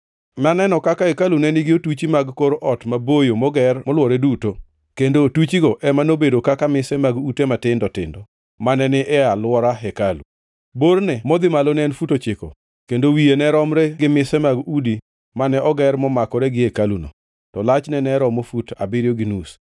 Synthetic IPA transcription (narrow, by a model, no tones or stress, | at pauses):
nanɛnɔkakaekalunɛnɪɡɪotut͡ʃimaɡkoɾʔɔtmabojomɔɡɛrmɔlwɔɾeduto | kendotut͡ʃiɡoʔɛmanobedokakamɪsɛmaɡutematɪndɔtɪ̰ndɔ | manɛnɪʔɛalwɔɾaɦɛkalṵ | bornɛmɔd̪ɪmalonɛnfutot͡ʃɪko̰ | kendowienɛɾɔmɾɛɡɪmɪsɛmaɡudi | manɛʔɔɡɛɾmɔmakɔɾɛɡɪekaluno̰ | tɔlat͡ʃnɛnɛɾɔmofuta̰bɪɾjoɡɪnus